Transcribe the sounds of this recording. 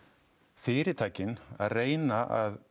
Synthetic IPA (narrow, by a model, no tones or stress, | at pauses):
fɪːɾɪt̪ʰaːjcɪna̰ðreːjnaʔað